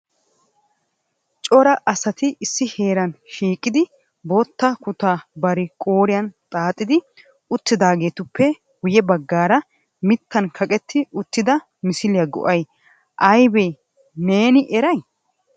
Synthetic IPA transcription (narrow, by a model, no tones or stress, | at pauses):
t͡ʃʼɔɾɐʔɐsɐt̪ɪɪsːɪhe̞ːɾɐnʃiːkʼːɪd̪ɪ | bot̪ːɐkʊt̪aːbɐɾɪkʼo̞ːɾɪjɐnt̪ʼaːt̪ʼːɪd̪ɪ | ʊt̪ːɪd̪aːɡe̞ːt̪ʊpʰːɛ | ɡʊjɛbɐɡːaːɾɐ | mɪt̪ːɐnkʰɐkʼɛt̪ʰːɪʊt̪ːɪd̪ɐ | mɪsɪlɪjɐɡɔ̰ʔɐj | ʔɐjbej | ne̞ːnɪʔɛɾɐj